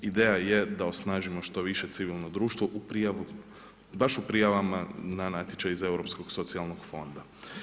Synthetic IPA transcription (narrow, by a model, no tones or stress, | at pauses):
id̪eːjajed̪aosnaːʒimo̞ʃt̪o̞ʋiʃe̞t̪siʋilˠno̞d̪ɾuːʃt̪ʋoʔupɾijaʋu | baʃupɾijaʋamananaːt̪jet͡ʃaize̞wɾo̞psko̞ɡso̞t̪sialˠno̞ɡ̥fo̞nd̪a